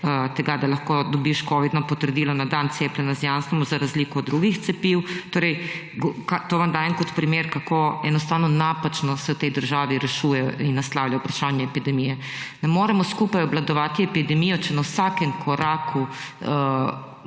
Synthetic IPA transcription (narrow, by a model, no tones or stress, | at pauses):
t̪ɛɡad̪alɐxkoːd̪ɔbiʃkɔːʋid̪nɔpɔt̪əɾd̪iːlɔnad̪ant̪seːplʲɛnazjanst̪ɾɔmɔzaɾazliːkɔːd̪ɾuɡixt̪sɛpiwt̪oːɾɛj | ɡkat̪oːʋamd̪aːjɛnkɔt̪pɾimeːɾkakoːɛnɔst̪aːwnɔnapat͡ʃnɔsɛwt̪ɛjd̪əɾʒaːʋiɾɛʃuːjɛj̰inːaslaːwlʲjaupɾaʃaːnjɛɛpid̪ɛmijɛ | nɛmoːɾɛmɔskupajɔblad̪ɔʋaːt̪iɛpid̪ɛmijɔt͡ʃɛnawsakɛmkʰɔɾaːkʰu